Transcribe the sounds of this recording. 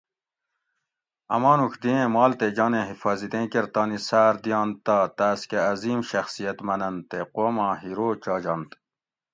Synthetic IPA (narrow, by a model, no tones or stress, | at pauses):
ɐ̰mɑːnukʰd̪iẽmɑːlt̪ed͡ʑɑːnẽɦifɑːzid̪ẽːkeɾt̪ɑːnisaːɾd̪jɑːnt̪aːt̪aːskeɐziːmɕɐxsijɐt̪mɐnɐnt̪eqoːmɑ̃ːɦiɾoːt͡ɕɑːd͡ʑɑːnt̪